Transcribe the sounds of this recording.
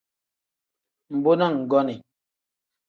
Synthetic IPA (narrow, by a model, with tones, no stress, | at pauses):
m̩˨bo˦nɔ˦˨ŋ̩˨ɡɔ˦ni˨